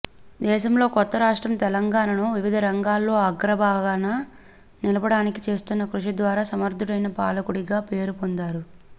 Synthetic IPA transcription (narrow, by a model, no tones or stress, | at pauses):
d̪ɛːʃɐmlo̞ːkɔt̪ːɐɾaːʂʈɾɐmt̪ɛlɐŋɡaːnɐnoːʋiʋid̪ʱɐɾɐŋɡaːlːo̞ːɐɡɾɐbaːɡaːnɐ | nilɐbɐɽaːnikit͡ʃe̞ːst̪unːɐkɾuʂid̪ʋaːɾaːsɐmɐɾd̪ʱuɽɐjnɐpaːlɐkuɽiɡaːpe̞ːɾupond̪aːɾu